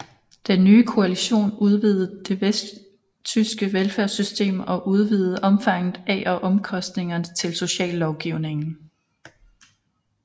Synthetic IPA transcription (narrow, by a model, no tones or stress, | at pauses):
d̥enːyːkʰo̝æliɕo̝̰ːnuð̞ˠʋið̩ˠd̥e̝ʋesd̥ | t͡sʰysɡ̥əʋelfæɐsysd̥e̝̰ːmɒ̽ʔuð̞ˠʋiːð̩ˠʔɒ̽mfɑ̈ŋ̰ð̩ˠɛʔɒ̽ʔɒ̽mkʰɒ̽sd̥ne̝ŋɐnət͡sʰe̝lso̝ɕɛ̰ːlːɒʊɡ̥iʊne̝ŋn̩